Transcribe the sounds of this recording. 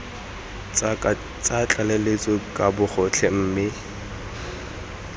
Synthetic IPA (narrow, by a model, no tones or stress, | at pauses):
t͡sʼat͡ɬʼalelet͡sʼɔkʼabʊχʊt͡ɬʰɛm̩ːmɪ